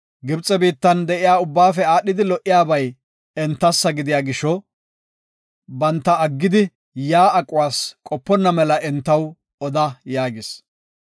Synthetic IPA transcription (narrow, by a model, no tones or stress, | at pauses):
ɡɪbt͡sʼɛbiːt̪ːɐnd̪ɛʔɪjaːʊbːaːfɛaːɗːɪd̪ɪlɔʔɪjaːbɐj | ɛnt̪ːɐsːɐɡɪd̪ɪjaːɡɪʃːɔ | bɐnt̪ːɐɐɡːɪd̪ɪ | jaːɐkʼːʊwaːskʼɔpːɔnːɐmɛlɐʔɛnt̪ːɐw | ɔd̪ɐjaːɡɪs